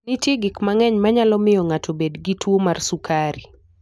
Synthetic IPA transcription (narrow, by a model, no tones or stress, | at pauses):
nitjeɡɪkmaŋɛɲmaɲalɔmɪjɔŋatʰobedɡitʰwomarsukʰaɾi